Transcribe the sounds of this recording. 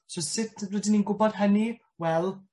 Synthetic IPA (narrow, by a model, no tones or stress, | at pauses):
sɔsɪtʰwɛdininɡʊbɔd̥ɦəni | wɛlˠ